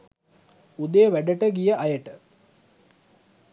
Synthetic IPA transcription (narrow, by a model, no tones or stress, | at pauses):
ud̪ejʋæɖəʈəɡijɐʔɐjəʈə